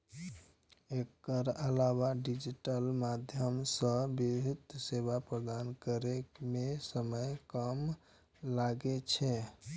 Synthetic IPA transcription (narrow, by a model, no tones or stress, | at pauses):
ekəɾəlawaɖid͡ʒiʈəlmad̪ʱjəmsə̃bibʱit̪sebapɾəd̪ankəɾekmesəməjkəm | laɡet͡ʃʰɛ